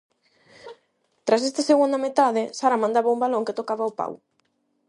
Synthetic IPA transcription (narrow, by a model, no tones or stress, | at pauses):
t̪ɾas̬est̪aseɣund̪ɐmet̪aðɪsaɾamãnd̪aβaumbaloŋket̪okaβɐopa̰w